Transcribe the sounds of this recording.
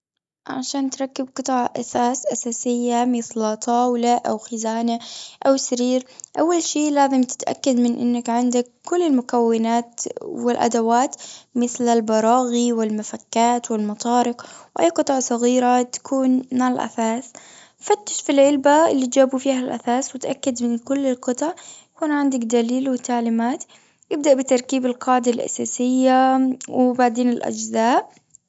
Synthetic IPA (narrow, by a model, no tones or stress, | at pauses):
ʕa̰ʃaːnt̪ɾˤɑkːɪb̚qɨt̪ˤɑːʕʔa̰saːsʔasaːsɪjːamɪθlat̪ʰˤɑːwlaʔawxɪzaːnaʔawsaɾiːɾʔawːalʃiːlaːzɪmt̪ɪ̥t̪ʔa̰kːad̪mɪnʔɪ̰nːakʕɪnd̪akːʊlːɪlmʊkawːɪnaːt̪wɪlʔa̰d̪awaːt̪mɪθlalbɑɾˤɑːɣiwɪlmafakːaːt̪wɪlmɑt̪ˤɑːɾɪqwʔa̰jːqɨt̪ˤɑʕsˤɑɣiːɾat̪ḁkuːnmaʕalʔa̰saːs | fat̪ːḁʃfilʕɪlbaɪlːid͡ʒaːbufiːhalʔa̰θaːswɪt̪ʔakːad̪mɪnkʊlːɪlqɨt̪ˤɑʕjakuːnʕɪnd̪akd̪aliːlwɪt̪aʕliːmaːt̪ | jɪb̚d̪aʔbɪt̪ɑɾˤkiːbɪlqɑːʕd̪alʔa̰saːsɪjːawɪbaʕd̪eːnɪlʔa̰d͡ʒzaːʔ